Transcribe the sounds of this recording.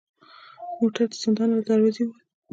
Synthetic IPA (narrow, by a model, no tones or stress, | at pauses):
moʈaɾd̪əz̥ɪnd̪ɑnəd̪aɾwəziwəl